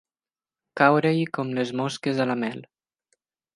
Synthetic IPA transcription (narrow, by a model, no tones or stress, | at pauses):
kawɾejkɔmlezmoskezalamɛl